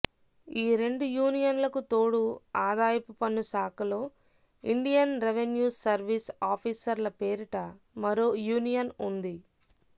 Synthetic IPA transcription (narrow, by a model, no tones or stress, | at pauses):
iːɾe̞ɳɖujuːnijɐnlɐkut̪o̞ːɽuaːd̪aːjɐpupɐnːusaːkɐlo̞ː | iɳɖijɐnɾeʋenjuːsɐɾʋisaːpʰiːsɐɾlɐpeːɾuʈɐ | mɐɾo̞ːjuːnijɐnund̪i